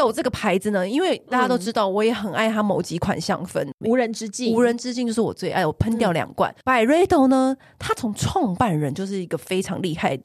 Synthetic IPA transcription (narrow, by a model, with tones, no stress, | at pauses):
o˨˩ʊʈ͡ʂɤ˥˩ɡə˩pʰa˧˥ɪd͡zɹ̩˨nə˦i˥nwe˥˩ɪt̪a˥˩t͡ɕa˥t̪o˥ʊʈ͡ʂɻ̩˥t̪ɑ˥˩ʊwɔ˧˥jɛ˨˩xə˨˩na˥˩ɪt̪ʰa˥mo˧˥ʊt͡ɕi˧˥kʰwa̰˨˩nɕjɑ̰˥˧ŋfə̰˥nu˧˥ɻə˧˦nʈ͡ʂɻ̩˥t͡ɕi˥˨u˧˥ɻə˧˥nʈ͡ʂɻ̩˥t͡ɕi˥˧˨jo˥˧ʊʂɻ̩˥˩wɔ̰˨˩t͡swe˥˩ʔa̰˥˩ɪwɔ˨˩pʰə˥nt̪jɑ˥˩ʊljɑ̰˨˩ŋkwa̰˥˩npa˨˩ɪɻe˥ɪt̪o˨˩ʊnə˦ | t̪ʰa˥t͡sʰʊ˧˥ŋʈ͡ʂʰwɑ˥˧ŋpa˥˩nɻə˧˦nt͡ɕjo˥˧ʊʂ̬ɻ̩˥˩i˧˥ɡə˧fe˥ɪʈ͡ʂʰɑ̰˧˥ŋli˥˧xa˥˩ɪə